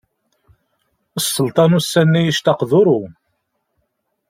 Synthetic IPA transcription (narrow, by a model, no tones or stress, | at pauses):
əsˤːəlt̪ˤɑnusːænːæjiʃt̪ɑqðʊɾˤu